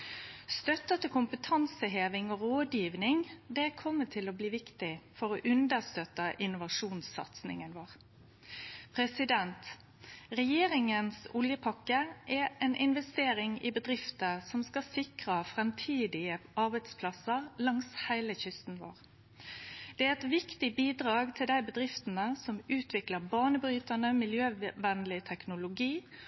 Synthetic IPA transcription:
st̪œt̪ːət̪əkʰʊmpət̪ʰɑnsəɦeːʋɪŋoʁoːd̪jiːʋnɪŋd̪ɛkʰɔmːət̪ʰɪlɔbliːʋɪkt̪ɪfɔʁoːʔʉnd̪əʁst̪øt̪əʔɪnʊʋɑʂuːnsɑ̰t̪snɪ̰ŋənʋoːʁ | pʰʁɛsɪd̪ɛnt̪ | ʁɛjeːɾɪŋənsʊljəpʰɑkːəʔɛɛnʔɪnʋɛst̪eːɾɪŋɪbəd̪ɾɪft̪əsɔmskɑsɪkʁɑfʁɛmt̪ʰiːd̪ɪəɑʁbæɪd̪spʰlɑsəʁlɑŋshæɪləçʏst̪n̩ʋo̰ːʁ | d̪̥ɛæɛt̪ʋɪkt̪ɪbiːd̪ʁɑːɡt̪ʰɪld̪æɪbəd̪ʁɪft̪ənəsɔmʉːt̪ʰʋɪkləʁbɑːɳəbɾyːt̪ɑnəmɪljøːʋɛnlɪt̪ʰɛknʊlʊɡiː

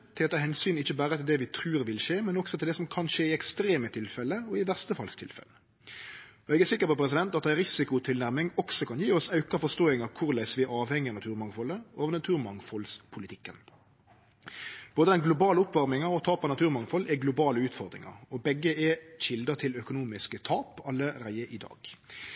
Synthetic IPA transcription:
t̪ʰeːt̪əhɛnsyːnɪçːəbæːɾət̪ʰɪld̪ɛʋɪt̪ʰɾʉːɾʋɪlʃeːmɛnɔksɔt̪ʰɪld̪ɛsɔmkʰɑnʃəːɪɛkst̪ɾeːmət̪ʰɪlfɛlːəɔɪʋæʁst̪əfɑ̰lst̪ʰɪ̰lfɛ̰lə | ɔɛːɡæsɪkːəɾpɔpʰɾɛs̬ɪd̪ɛnt̪ɑt̪d̪æɪɾɪsɪkʊt̪ʰɪlnæʁmɪŋɔksɔkʰɑnjiːɔsɑʉkɑfɔst̪oːɪŋɑkʰʊɾlæɪsʋɪæɑːʋhɛŋːɪɑnɑt̪ʰʉːɾmɑŋfɔlːəoːʋəʁnɑt̪ʰʉːɾmɑŋfɔlspʰʊlɪt̪ʰɪkːən | b̥oːd̪əd̪ɛnɡlʊbɑːləʊpʋɑʁmɪŋɑɔt̪ʰɑːpɑnɑt̪ʰʉːɾmɑŋfɔlɛɡlʊbɑːləʉːt̪fɔʁd̪ɾɪ̰ŋɑ̰ʁɔbɛɡːəɛʃɪld̪ət̪ʰɪlœkʊnuːmɪskət̪ʰɑːpʰɑlːəʁæɪəʔɪd̪ɑ̰ːɡ̥

